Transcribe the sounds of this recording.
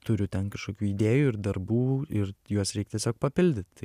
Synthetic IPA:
t̪ʊɾʲʊt̪ʲɛnkɐʃkoːkʲuːid̪ʲeːjuːɪrd̪ɐrbuːɪrjuɔsɾʲɛɪk̚ʲt̪ʲiɛsʲoːk̚pɐpʲɪlʲd̪ʲɪt̪t̪ɐɪ

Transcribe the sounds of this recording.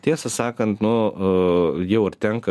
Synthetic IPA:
t̪ʲiɛsɐsɑːkɐnt̪nʊ | jɛʊɐrt̪ʲɛŋkɐ

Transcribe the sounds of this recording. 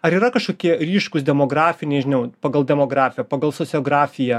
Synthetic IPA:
ɐɾiːɾɐkɐʃkoːkʲiɛɾʲiːʃkʊsd̪ʲɛmoːɡɾɑːfʲɪnʲɛɪʒʲɪnʲɛʊpɐɡɐlˠd̪ʲɛmoːɡɾɑːfʲɪjɛpɐɡɐlˠsosʲɪoːɡɾɑːfʲɪjɛ

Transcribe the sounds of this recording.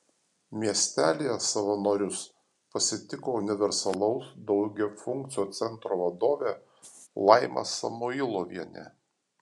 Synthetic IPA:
mʲiɛsʲt̪ʲæːlʲejɛsɐʋɐnoːɾʲʊs | pɐsʲɪt̪ʲɪkoːʊnʲɪʋʲɛɾsɐlˠɐʊsd̪ɒʊɡʲɛfʊŋʲkt̪sʲɪjoːt̪sʲɛnˑt̪ɾoːʋɐd̪oːʋʲeː | lˠɑɪmɐ̰sɐ̰mʊɪlˠoːʋʲiɛnʲɛ̰

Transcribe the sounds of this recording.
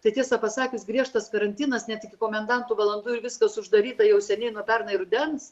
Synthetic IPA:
t̪ɐɪt̪ʲiɛsɐpɐsɑːkʲɪsɡɾʲiɛʃt̪ɐskɐɾɐnʲt̪ʲiːnɐsnʲɛt̪ɪkʲɪkoːmʲɛnd̪ɐnt̪uʋɐlˠɐnd̪uːɪɾʋʲɪskɐsʊʒd̪ɐɾʲiːt̪ɐjɛʊsʲɛnʲɛɪnuɔpʲɛrnɐɪɾʊd̪ʲɛns

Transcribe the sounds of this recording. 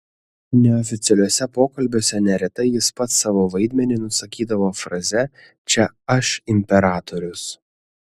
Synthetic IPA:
nʲɛɔfʲɪt̪sʲɛlʲoːsʲɛpoːkɐlʲbʲoːsʲɛnʲɛɾʲɛt̪ɐɪjɪspɐt̪sɑːʋoːʋɐɪd̪ʲmʲɛnʲɪnʊsɐkʲiːd̪ɐʋoːfɾɐzʲɛ | t͡ʃʲɛɐʃɪmʲpʲɛɾɑːt̪oɾʲʊs

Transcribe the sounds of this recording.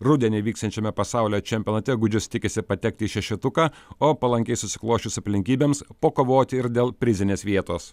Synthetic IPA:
ɾʊd̪ʲɛnʲeɪʋʲiːkst̪ɐnʲt͡ʃʲɛmʲɛpɐsɑˑʊlʲoːt͡ʃʲɛmʲpʲoːnɐt̪ʲɛɡʊd͡ʒʲʊst̪ʲɪkʲɪsʲɪpɐt̪ʲɛk̚t̪ʲɪːʃʲɛʃʲɪt̪ʊkɑːoːpɐlˠɐŋʲkʲɛɪsʊsʲɪ̥klˠoːʃʲʊsɐpʲlʲɪŋʲkʲiːbʲeːmspoːkoːʋoːt̪ʲɪɪɾd̪ʲeːlˠpʲɾʲɪzʲɪnʲeːsʋʲiɛt̪oːs

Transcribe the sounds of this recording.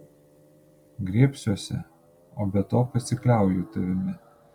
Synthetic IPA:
ɡɾʲiːpʲsʲuɔsʲɛ̰ | oːbʲɛt̪oːpɐsʲɪklʲæˑʊjuːt̪ɐʋʲɪmʲɪ

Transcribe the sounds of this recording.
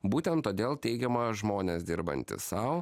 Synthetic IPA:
buːt̪ʲɛnt̪ːoːd̪ʲeːlˠt̪ʲɛɪɡʲɛmɐʒmoːnʲeːsd̪ʲɪɾbɐ̰nʲt̪ʲɪ̰sɐʊ

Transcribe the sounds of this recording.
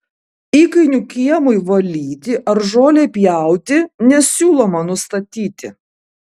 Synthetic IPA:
iːkɐɪnʲukʲiɛmʊɪʋɐlʲiːt̪ʲɪʔɐɾʒoːlʲepʲjæˑʊt̪ʲɪnʲɛsʲuːlˠoːmɐnʊst̪ɐt̪ʲiːt̪ʲɪ

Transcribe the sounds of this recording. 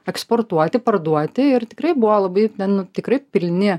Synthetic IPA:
ɛksport̪uɔt̪ʲɪpɐrd̪uɔt̪ʲɪɪrt̪ʲɪkɾɐɪbʊʋolˠɐbɐɪt̪ʲɛnnʊt̪ʲɪkɾɐɪpʲɪlʲnʲɪ

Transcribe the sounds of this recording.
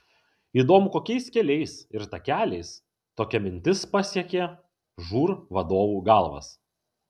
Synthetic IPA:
iːd̪oːmʊkoːkʲɛɪskʲɛlʲɛɪsɪɾt̪ɐkʲæːlʲɛɪs | t̪oːkʲɛmʲɪnʲt̪ʲɪspɐsʲiɛkʲeː | ʒuːɾʋɐd̪oːʋuːɡɑlˠʋɐ̰s

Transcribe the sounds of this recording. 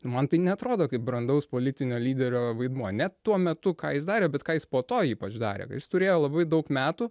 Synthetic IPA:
nʊmɐnt̪ɐɪnʲɛɐt̪ɾoːd̪oːkɐɪp̚bɾɐnd̪ɐʊspoːlʲɪt̪ʲɪnʲoːlʲiːd̪ʲɛɾʲoːʋɐɪd̪muɔnʲɛt̪uɔmʲɛt̪ʊkɑːjɪs̬d̪ɑːɾʲeːbʲɛt̪kɑːjɪspoːt̪oːiːpɐt͡ʃd̪ɑ̰ːɾʲḛːkɐ̰jɪst̪ʊɾʲeːjoːlˠɐbɐɪd̪ɐʊkmʲæːt̪uː

